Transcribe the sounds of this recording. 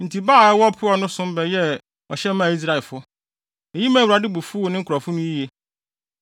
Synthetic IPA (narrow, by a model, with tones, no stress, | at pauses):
n̩˨tʰi˨baː˦˨ɛ˦wɔ˦pʰʊ˦ɔ˨nʊ̃˦sʊ̃˦m˦bɛ˨jɛ˦ | ɔ˨ɕɛ˦mã˦˨i˦s̬ɾa˦˨ɛ˨fʊ˦ | ɛ˨ji˦mã˦˨wɾa˨dɪ˦bu˨fu˦o˨nɪ̃˦kʰɾɔ˨fʊ˦nʊ̃˦ji˦je˦